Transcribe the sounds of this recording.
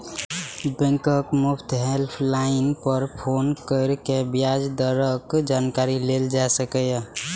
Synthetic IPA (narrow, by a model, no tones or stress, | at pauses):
bɛ̃ŋkəkmupʰt̪ʰɦelpʰlaɪnpəɾpʰonkəɪɾkebijad͡ʒd̪əɾəkd͡ʒankaɾileld͡ʒasəkəj